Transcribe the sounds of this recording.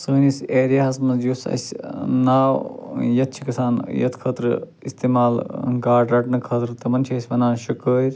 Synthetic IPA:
səːniseːɾijaːɐsmɐjuːsɐ̰sʲnaːwjɐt̪̚t͡ʃʰikɐsaːnjɐ̰t̪ʰkʰɐːt̪ɾ | ḭst̪eːmaːlɡaːɖɾɐʈnɐkʰɐːt̪ɾɨt̪ɐmɐnʲt͡ʃʰiɐːsʲʋɐnaːnʃukəːɾʲ

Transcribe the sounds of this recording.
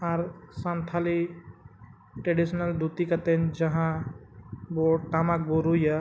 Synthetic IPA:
aɾsãnt̪ʰaːli | ʈɾeɖisnəld̪ut̪ikɐt̪end͡ʒɐɦã | boʈaːmak̚boɾuja

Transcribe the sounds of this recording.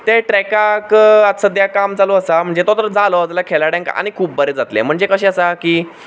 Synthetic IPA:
t̪eʈɾɛkakət̪səd̪jakamd͡zalɔəsam̤əɳd͡zet̪ɔt̪əɾəd͡zalɔəd͡zalakʰelaɽɛ̃ŋka̰ñikʰuːp̚bəɾed͡zat̪lḛm̤əɳd͡zekəɕeəsakiː

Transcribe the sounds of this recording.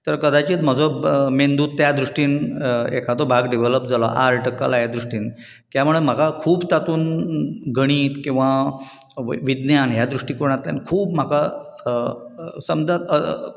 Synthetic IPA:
t̪əɾkəd̪at͡ɕiːt̪m̤əd͡zɔmend̪uːt̪̚ːjad̪ɾuʂʈiːnekʰat̪̬obʱaɡɖiʋeləp̚d͡zalɔʔaɾʈəkːa̰lajad̪ɾuʂʈiːn | kjamuɭem̤akakʰuːbt̪at̪uːnɡəɽ̃iːt̪kĩw̃ʋa | ʋid̪njanɦjad̪ɾuʂʈikoɾɳ̃at̪ːja̰nkʰuːbm̤aka | səmd̪aə

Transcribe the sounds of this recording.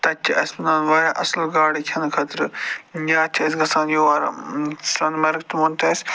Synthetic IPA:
t̪ɐt͡ʃʰːiʔɐspɐnaːnʋaːjaʔɐslɡaːɽikʲʰɐnkʰɐt̪ɾɨjaːt͡ʃʲʰɐsɡɐsaːnjuʋaːɾɐ̰sɐnmɐɾɡt̪umɐnt̪ɐsʲ

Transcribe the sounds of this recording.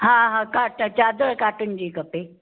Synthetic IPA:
ɦãːɦãːkaːʈət͡ɕaːd̪əɭkaːʈʊnɪd͡ʑiːkɐpeː

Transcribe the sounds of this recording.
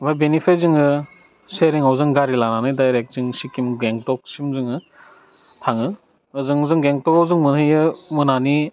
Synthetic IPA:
bajbenipʰezɯŋɯ | seɾiŋawzɯŋɡaɾilananɯjdajɾek̚zɯŋsikimɡeŋtɔk̚simzɯŋɯ | tʰaŋɯ | ɯzɯŋzɯŋɡeŋtɔkawzɯŋmɯnɯjɯmɯnani

